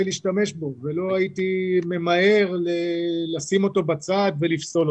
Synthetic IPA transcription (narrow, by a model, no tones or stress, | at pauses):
liːʃtame̞ʃbo̞velo̞ait̪ime̞mae̞ʁlelasimo̞t̪o̞bat͡sad̪ve̞lifso̞l